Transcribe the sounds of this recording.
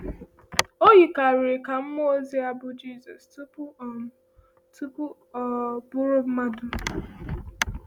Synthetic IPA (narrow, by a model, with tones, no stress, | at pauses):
o˦ɦi˨ka˨ɾɪ˨ka˨m̩˦mʊ˦o˦zi˦a˦bʊ˦d͡ʒi˦˨zɔ˨stu˦pʊ˦˨ | tu˦pu˦ | ɔ˨bʊ˦ɾʊ˦ma˦du˦